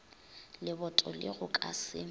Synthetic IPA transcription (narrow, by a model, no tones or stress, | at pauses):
lɪbɔtʼɔlɪ̰ɣʊkʼa̰sɪ